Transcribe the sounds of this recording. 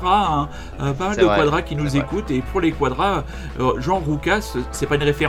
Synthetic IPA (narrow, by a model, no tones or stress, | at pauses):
ʁaɛ̃ | øpamald̪əkwad̪ʁakʲinuzekut̪epʰuʁlekwad̪ʁaø | øʒɑ̃ʁukʲasː | ɛpaynʁefeʁ